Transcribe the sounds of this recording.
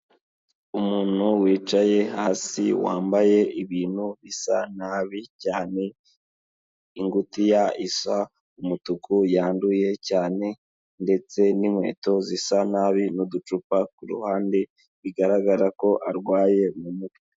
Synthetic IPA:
umuːn̥huwiːt͡ʃaje̞haːsiwa̰ːmbaje̞ʔiβiːn̥huβisanaβicaːne̞ | iŋɡutijaiswa | umutukujaːnduje̞caːne̞ | nde̞t͡se̞nimwe̞̰ːto̞zisanaːβinudut͡ʃupakuɾṵhaːnde̞ | βiɡaɾaɡaɾako̞ʔaɾɡwaːje̞mumuki

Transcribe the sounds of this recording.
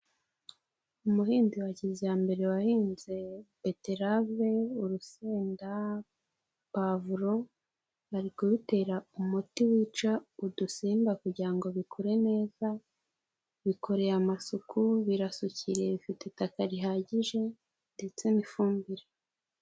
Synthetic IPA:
umuhiːndiwaɟizijambe̞ɾe̞wahiːnze̞pe̞teɾave̞uɾuseːnda | pavuɾo̞ | aɾikoβite̞ɾaumutiwiːt͡ʃaudusiːmbakuɟiɾaŋɡo̞βikʰoɾe̞ne̞ːza | βikʰo̞ɾe̞amasukʰuβiɾasuciɾe̞βifitetakaɾiɦaːɟiʒe̞ | nde̞t͡se̞mifuːmbiɾe

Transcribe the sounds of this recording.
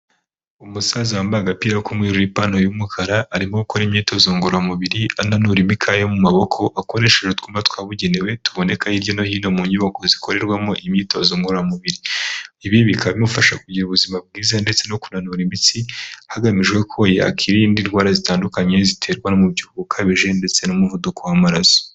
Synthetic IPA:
umusazawambaɡapiːɾakumŋiːɾuɾipano̞jumukʰaɾaːɾimoukoɾimɲiːto̞zoːŋɡuɾamuβiɾiananuɾimikʰajomumaβo̞kʰo̞ʔako̞ɾe̞ʃe̞ʒetkuːmatkwaːβuɟe̞newe̞tu̥βo̞ne̞kaiɾɟo̞no̞hiːno̞muɲiβokozikʰo̞ɾe̞ɾɡwamoʔimɲiːto̞zoːŋɡuɾamuβiɾiiβiβikʰaβimufaʃakuɟiɾuβuzimab̚ɡiːzande̞t͡se̞no̞kunanuɾimit͡sihaɡamiʒɡwe̞kʰo̞ja̰kʰiɾindinɾɡwaːɾazitaːndukaɲe̞zitʰe̞ːɾɡwanomuβɟihuɡukʰaβiʒe̞nde̞t͡se̞nomuvudukʰowamaɾaso̥

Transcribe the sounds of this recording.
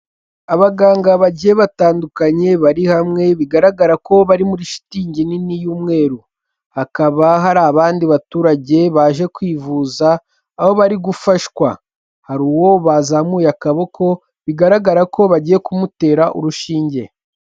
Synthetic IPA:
aβaɡaːŋɡaβaɟijeβataːndukaɲe̞βaɾihamŋe̞βiɡaɾaɡaɾako̞βaɾimuɾiʃi̥tiːɲɟininijuːmŋe̞ːɾu | hakaβaɦaɾaːβaːndiβatuːɾaɟe̞βaːʒe̞kwiːvuːzaː | ho̞βaɾiɡufaʃkwa | haɾuwo̞βazamuːjakaβo̞kʰo̞ | βiɡaɾaɡaɾako̞βaɟije̞kumute̞ːɾaʔṵɾuʃiːɲɟe̞

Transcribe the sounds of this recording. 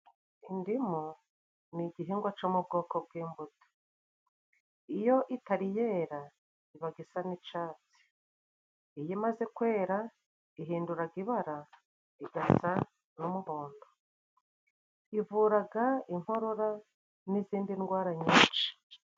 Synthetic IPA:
indimo | niɟiɦiŋɡwat͡ʃomub̚ɡo̞ːko̞b̚ɡiːmbuto̥ | ijo̞ʔitaɾije̞ːɾa | iβaɡisanit͡ʃaːt͡si̥ | ijimaze̞kwe̞ːɾa | iɦiːnduɾaɡiβaɾa | iɡasa | numuhoːndo | ivuːɾaɡaiŋ̥ho̞ɾo̞ɾa | niziːndinɡwaːɾaɲiːnt͡ʃi̥

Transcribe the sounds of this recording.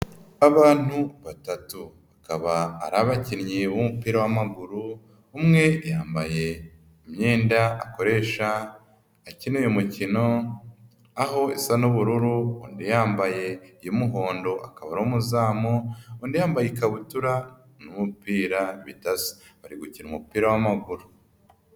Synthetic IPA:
aβaːn̥huβatatuβakaβa̰ːɾaβacinɲiumupiːɾawamaɡuɾuː | mŋe̞jaːmbaje̞ | imɲeːndaako̞ɾe̞ʃaː | cinujomucino̞ | aɦo̞isanuβuɾuɾuṵːndijaːmbaje̞ijomuɦo̞ːndo̞ʔakaβaɾomuzaːmouːndijaːmbajikaβutuɾa | numupiːɾaβitasi̥βaɾiɡuciɾumupiːɾawamaɡuɾu̥

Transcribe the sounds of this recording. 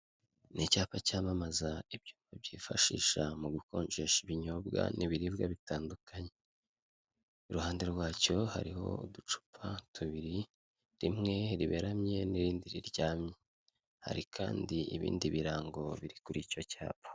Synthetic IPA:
nicaːpacaːmamazaib̚juːmvab̚ɟiːfaʃḭːʃamuɡuko̞ːɲt͡ʃeʃiβiɲoːbɡa̰nʔiβiɾiβɡaβitaːndukʰaɲe̞ | uɾuhaːnde̞ɾɡwaːco̞ha̰ɾiho̞̰udut͡ʃu̥pʰatʰuβiɾi | ɾimŋe̞ɾiβe̞ɾamɲe̞niɾiːndiɾiɾɟaːmɲe | ha̰ɾikʰa̰ːndiiβḭːndiβiɾaːŋɡo̞βiɾikuɾico̞ca̰ːpḁ

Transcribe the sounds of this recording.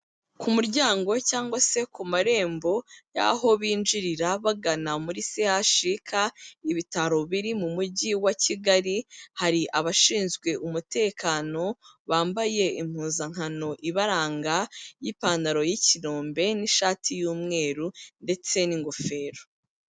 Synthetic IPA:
kʰumuɾɟaːŋɡo̞caːŋɡwase̞kumaɾe̞ːmbo̞ja̰ɦo̞βiːnd͡ʒiɾiɾaβaɡanamuɾisehaʃikʰaiβitaɾo̞βiɾimumuɟiwaciɡaɾihaɾiʔaβaʃiːnzɡwe̞ʔumute̞ːkaːno̞βaːmbaje̞im̥huːnzaŋ̥hano̞ʔiβaɾaːŋɡajipaːndaɾo̞jiciɾoːmbe̞niʃaːtʰijuːmŋe̞ːɾunde̞t͡se̞niŋɡo̞fe̞ːɾo

